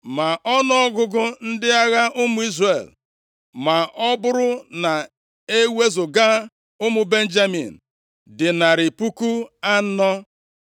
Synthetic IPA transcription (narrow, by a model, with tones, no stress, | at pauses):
ma˨ʔɔ˦nɔ˦ɔ˦ɡʊ˦ɡʊ˦n̩˦dɪ˦a˦ɣa˦ʔʊ˦mʊ˦i˦zre˨l | ma˨ʔɔ˦bʊ˦ɾʊ˦na˨ | e˦we˦zʊ˨ɡa˦ | ʊ˦mʊ˨be˦n̩˦d͡ʒa˦mḭ˨n̩˨ | dɪ˨na˨ɾɪ˨pu˦ku˦a˦nɔ˦